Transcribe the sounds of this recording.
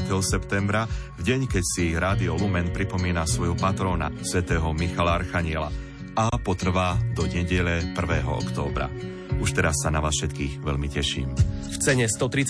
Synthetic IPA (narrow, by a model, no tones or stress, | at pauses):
tɛɦɔsɛpt̪ɛmbɾa | vɟɛɲkɛcsiɾaːd̪iɔlumɛnpɾipɔmiːnasʋɔjɦɔpat̪ɾɔːna̰sʋɛt̪ɛːɦɔmixalaa̰ɾxaɲɪɛla̰ | apɔt̪r̩ʋaːd̪ɔɲɛɟɛʎɛpr̩ʋɛːɦɔ̰ɔ̰kt̪ɔːbɾa̰ | uʃt̪ɛɾasːanaʋaːsfʃɛt̪kiːɣʋɛʎmicɛʃḭːmft͡sɛɲɛst̪ɔt̪ɾit͡s